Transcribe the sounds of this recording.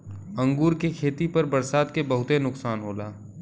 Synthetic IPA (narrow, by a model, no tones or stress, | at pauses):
ɐ̃ŋɡuːɾkekʰeːt̪ipɐɾbɐɾsaːd̪kebɐɦʊt̪enʊksaːnɦoːlaː